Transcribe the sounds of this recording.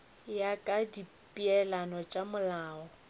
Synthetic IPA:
jakʼadi | pʼiɛlanɔt͡ʃʼamʊlaːɔ

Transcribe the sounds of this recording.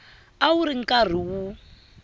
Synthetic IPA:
auɾiŋ̩kʼar̤iwu

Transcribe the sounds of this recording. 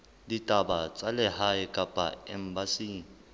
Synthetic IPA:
litʼabat͡sʼalɛhaɪkʼapʼa̰ɛm̩basiːni

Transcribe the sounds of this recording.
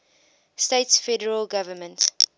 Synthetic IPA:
steɪtsfɛdəɹəlɡavəmə̃nt

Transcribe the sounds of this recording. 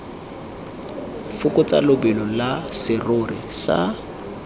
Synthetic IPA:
fʊkʊt͡sʼa̰lʊbɛlɔlasɪrʊrɪsa̰

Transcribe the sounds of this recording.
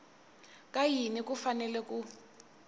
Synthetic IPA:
k̬ʼajinik̬ufanɛlɛk̬ʼu

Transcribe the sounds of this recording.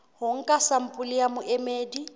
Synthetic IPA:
hʊŋ̩kʼasam̩pʼʊlijamʊʔɛmeːdi

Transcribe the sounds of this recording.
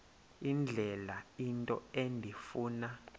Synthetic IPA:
ind͡ɮʱɛlaintʼɔ̰endʱifuːna

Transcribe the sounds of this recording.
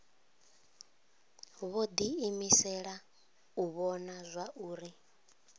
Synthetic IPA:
βod̪iimisɛɺa | uβɔnazʷaʔuːɾi

